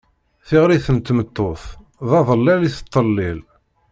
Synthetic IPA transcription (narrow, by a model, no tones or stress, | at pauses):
θiʁɾiθənt̪ːmət̪ːoθ | ðɑðˤəlːæliθə̥t̪ˤːəlːɪl